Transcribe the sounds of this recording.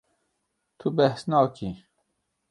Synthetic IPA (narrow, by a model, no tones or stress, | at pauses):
t̪ʰubɛhsnɑːki